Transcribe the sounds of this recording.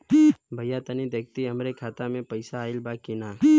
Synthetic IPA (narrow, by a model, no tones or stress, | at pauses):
bʱɐjat̪ənid̪ek̚t̪iɐmɾekʰaːt̪amẽpəɪsaːɪlbaːkinaː